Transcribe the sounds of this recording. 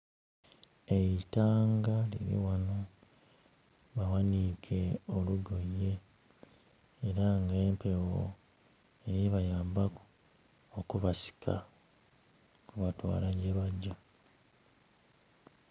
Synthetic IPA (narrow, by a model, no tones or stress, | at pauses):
eitaːŋɡalḭɾḭwano | βawanikʰe̞oluɡojːe̞ | ɾaŋɡe̞ːmpe̞wo̰ | eɾiβajaːmbaku̥ | okuβasi̥kʰa̰ | kuβatwa̰ːlaɟelwaɟːa